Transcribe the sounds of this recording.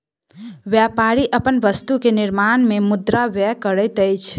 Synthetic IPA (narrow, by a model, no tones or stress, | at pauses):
ʋjapaɾiʔəpənʋəst̪ukenɪɾmanmemʊd̪ɾaʋɛkəɾəɪt̪əjt͡ʃʰ